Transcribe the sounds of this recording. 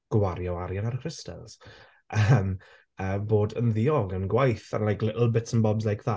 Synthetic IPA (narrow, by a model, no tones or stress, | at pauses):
ɡ̥waɾjɔaɾjanarkʰrɪstɛ̰lˠz̥ | ʔəm | əːboːdənðɪɔɡənɡwajθa̰nlajkləlˠbɪtsənbɔbzlajkʰða